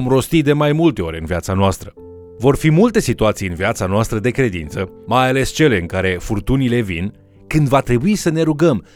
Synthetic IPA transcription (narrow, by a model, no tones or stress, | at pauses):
omɾo̞st̪id̪e̞majmult̪e̞o̞ɾʲɨnviat̪sanoast̪ɾə | vo̞rfimult̪e̞sit̪uat̪sijɨnviat̪sanoast̪ɾəd̪e̞kɾe̞d̪ḭnt̪səmajale̞st͡ʃe̞le̞ɨŋkaɾe̞furt̪unile̞vḭn | kɨnd̪vat̪ɾe̞buisəne̞ɾuɡəm